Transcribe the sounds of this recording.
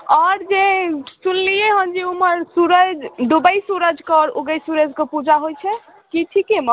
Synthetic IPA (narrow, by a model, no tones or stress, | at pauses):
ɔɾd͡ʒesunlijeɦənd͡ʒiuməɾsuɾəd͡ʒɖubəjsuɾəd͡ʒkɔɾṵɡəjsuɾəd͡ʒkepud͡ʒaɦojt͡ʃʰɛ | kiʈʰikemə